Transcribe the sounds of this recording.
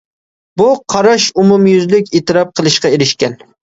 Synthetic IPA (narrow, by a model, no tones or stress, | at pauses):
buqʰɑɾɑʃʊmumjyzlɪkʲeːt̪ɪɾɑp̚qʰəlˠɨʃqɑeɾɪʃkʲæn